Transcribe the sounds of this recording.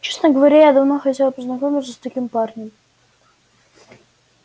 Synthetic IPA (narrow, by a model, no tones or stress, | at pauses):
t͡ɕesnəɡəvɐɾʲajad̪ɐvnoxɐtʲelˠəpəznɐkomʲɪt̪səsʲt̪ɐkʲimparnʲɪm